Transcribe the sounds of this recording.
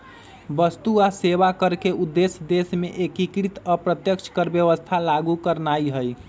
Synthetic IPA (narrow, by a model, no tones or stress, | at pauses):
bəst̪uaseβakəɾkeud̪ːesd̪esmeʔekikɾit̪əpɾət̪jəkt͡ʃʰkəɾbjəβəst̪ʰalaɡukəɾnaiɦəj